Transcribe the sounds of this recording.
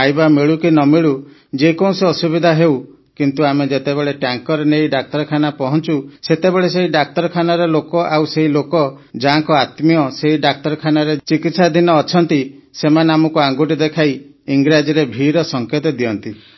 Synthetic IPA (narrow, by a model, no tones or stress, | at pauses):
ajbamiɭukinɔmiɭu | d͡ʒekɔũseɔsubid̪ʱaɦew | kint̪uamed͡ʒet̪ebeɭeʈaŋkɔɾenejɖak̚t̪ɔɾɔkʰanapɔɦɔnt͡ʃuset̪ebeɭeseiɖak̚t̪ɔɾɔkʰanaɾelokɔʔawseɦilokɔ | d͡ʒaɦaŋkɔat̪mijɔseɦiɖak̚t̪ɔɾɔkʰanaɾet͡ʃikit̪sad̪ʱinɔːt͡ʃʰɔnt̪isemaneamɔkuaŋɡuʈid̪ekʰaj | iŋɡɾad͡ʒiɾebʱiɾɔsɔŋket̪ɔd̪iɔnt̪i